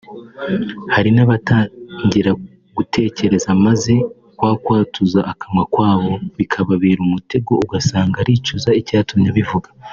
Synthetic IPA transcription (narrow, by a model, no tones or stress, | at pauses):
haɾinaβataɲɟiɾa | ɡ̥utʰe̞ːce̞ɾe̞zamaze̞ | kwaːkwaːtuzaʔːkamŋakwaːβo̞βikʰaβaβiːɾumute̞ɡo̞uɡasaːŋɡaɾiːt͡ʃuzaicaːtumɲaβivuɡḁ